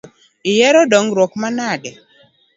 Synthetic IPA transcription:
ɪjɛɾɔdɔŋɾwɔkmanaɡɛ

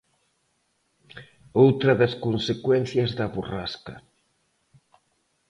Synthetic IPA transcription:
owt̪ɾɐðɐskonsekwɛn̟θjɐzðɐβuraskɐ̰

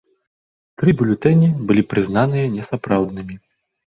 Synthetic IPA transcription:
t̪ɾɨbʲulʲut̪ɛnʲibɨlʲipɾɨznanɨjɐnʲɛsapɾawd̪̚nɨmʲi

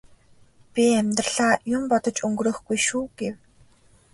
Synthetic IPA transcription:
pʲiæmʲt̪rəɮ̥aːjʊmpɔt̪ɞ̆t͡ɕɵŋɡɾɵ̆ːxɡujʃuːɡ̥ew

